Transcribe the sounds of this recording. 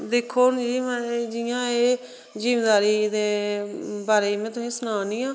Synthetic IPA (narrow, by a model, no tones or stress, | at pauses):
d̪eːkʰːoːnd͡ʒiːmɛ̃d͡ʒɪjãːeː | d͡ʒiːmeːd̪aːɾiːd̪eː | baːɾeːmɛ̃ːt̪ʊsĩːsʊnaːnĩːãː